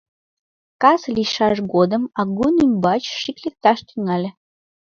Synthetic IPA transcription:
kɑsliʃɑʃɣod̪əmɑɣunymʲbɑt͡ɕʃiklʲek̚t̪ɑʃt̪yŋɑlʲe

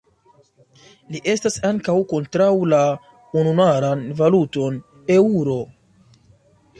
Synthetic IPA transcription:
liʔe̞stasaŋkawko̞ntɾawla | ununaɾanvaluto̞n | euɾo̞

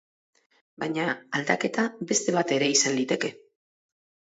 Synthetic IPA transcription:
bajɲaald̪ake̞t̪abe̞st̪e̞β̞at̪e̞ɾe̞isanlit̪e̞ke̞

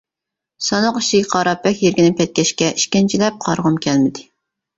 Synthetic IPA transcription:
sɑnɑqiʃiqʰɑɾɑpʰːɛkʲjeɾɡʲinɪkʲʰɛt̪̚kʲɛʃkʲɛʔiʃkʲint͡ʃʰilɛp̚qʰɑɾʁʊmkʲʰɛlmɪd̪ɪ

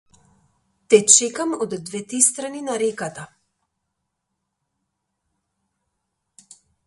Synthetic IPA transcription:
t̪ɛt͡ʃɛkamod̪ːvɛt̪ɾist̪ɾaninaɾɛkat̪a

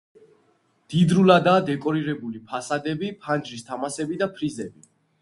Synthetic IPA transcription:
d̪̥id̪ɾulad̪aːd̪ɛkʼɔɾiɾɛbulipʰasad̪ɛbipʰand͡ʒɾist̪ʰamasɛbid̪apʰɾizɛbi

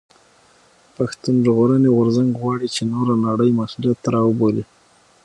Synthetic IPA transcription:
paxt̪unʒɣoɾəneɣʊɾzaŋɡɣwɑɽit͡ʃenoɾanaɽəjmasuljat̪ːɾɑwəboli

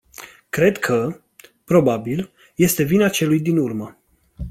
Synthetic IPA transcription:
kɾe̞d̪kʰə | pɾo̞babil | je̞st̪e̞vinat͡ʃe̞lujd̪inurmə

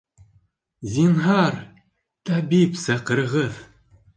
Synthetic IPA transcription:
zʲinɦɑɾ | t̪ɑbipsɑqɤ̆ɾɤ̆ʁɤð

